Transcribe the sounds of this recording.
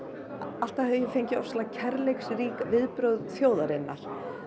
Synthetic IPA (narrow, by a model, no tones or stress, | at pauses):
al̥t̪ahɛvʏjɛfejɲcɪɔslaðacʰɛɾlejksriːkvɪðpɾœwðθjoːwðaɾɪnːa̰ɾ̥